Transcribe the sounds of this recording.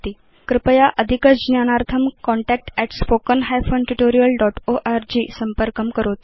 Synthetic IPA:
t̪i | kɾɪpəjaʔəd̪ʱikət͡sd͡ʑnjanaɾt̪ʰəmkɔɳʈɛk̚ʈɛʈspokənɦajfonʈuʈoɾijəlɖɔʈoʔaɾd͡ʑiːsəmpəɾkəmkəɾot̪

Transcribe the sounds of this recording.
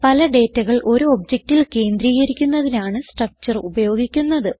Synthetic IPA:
pɐlɐɖe̞ːtːɐɣɐɭʔo̞ɾuob̚d͡ʑek̚tilke̞ːnd̪ɾiːɣɐɾikʲːunːɐðinaːɳɨsʈrɐk̚t͡ɕɐrubɐjo̞ːɡikʲːunːɐðɨ

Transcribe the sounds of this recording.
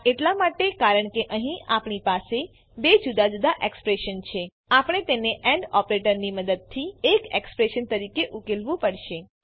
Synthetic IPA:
eʈlamaʈekaɾəɳkeʔəɦĩʔapɳipase | bed͡ʒud̪ad͡ʒud̪aʔekspɾeʃənt͡ʃʰe | apɳ̃et̪eneʔɛ̃ɳɖɔpɾeʈəɾniməd̪əd̪̚t̪ʰiekekspɾeʃənt̪əɾikeʔukelʋũpəɽʃe

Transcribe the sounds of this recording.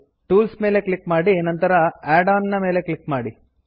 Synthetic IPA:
ʈuːlsme̞ːle̞kɭikmaːɽienɐnt̪ɐɾɐaːɖaːnnːɐme̞ːle̞klikmaːɽi

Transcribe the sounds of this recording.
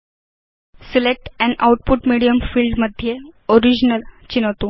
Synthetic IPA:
silek̚ʈɛ̃ɳawʈ̚puʈmiɽijəmfiːlɖməd̪ʱːjeoɾid͡ʑnəlt͡ɕinət̪o

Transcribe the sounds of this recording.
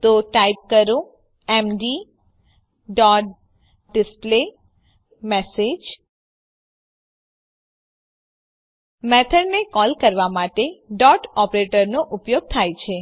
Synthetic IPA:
t̪oʈaip̚kəɾõ | ɛmɖi | ɖɔʈ̚ | ɖɪsple | mɛsed͡ʒ | mɛt̪ʰəɖnekɔlkəɾʋamaʈeɖɔʈɔpɾeʈəɾnoʔupjoɡ̚t̪ʰajt͡ʃʰe

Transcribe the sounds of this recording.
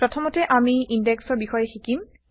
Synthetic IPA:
pɹɔtʰɔmɔtɛʔamiindɛksɔɹbixɔjɛxikim

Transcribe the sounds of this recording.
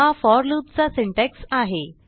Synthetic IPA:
afɔɾluːt̪̚t͡sasiɳʈeksaɦe

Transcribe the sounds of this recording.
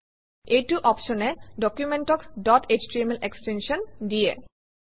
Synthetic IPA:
ejtuʔɔpʃɔneɖɔkjumenʈɔkdɔʈʰet͡ɕʈɹimelʔekstenʃɔndijḛ

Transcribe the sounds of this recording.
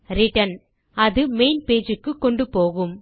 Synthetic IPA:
ɾɪʈɐn | ɐðɯmeɪnpeːd͡ʒɯkːɯkːɔɳɖɯpoːɣɯm

